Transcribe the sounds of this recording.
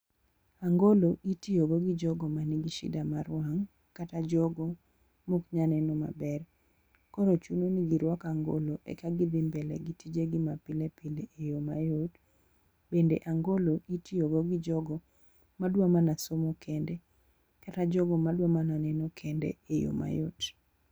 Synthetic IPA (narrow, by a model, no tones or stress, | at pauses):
aŋɡoloʔitioɡoɡɪd͡ʒɔɡɔmaniɡiʃɪ̰damaɾwaŋ | katad͡ʒɔɡo | mokɲanɛnɔma̰bɛr | koɾot͡ʃunoniɡiɾwakaŋɡo̰loʔḛkaɡɪd̪ɪmbɛlɛ̰ɡitid͡ʒeɡɪmapɪlepɪleejoma̰jot | bendḛʔaŋɡoloʔitioɡoɡɪd͡ʒɔɡɔ | madwamanasomokʰendɛ | katad͡ʒɔɡɔmadwamananɛnokʰendɛ̰ejo̰ma̰jo̰t